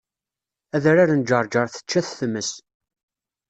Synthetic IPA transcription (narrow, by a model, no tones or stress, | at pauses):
æðɾaɾənd͡ʒəɾˤd͡ʒəɾˤθə̥t͡ʃːæθθəmːəs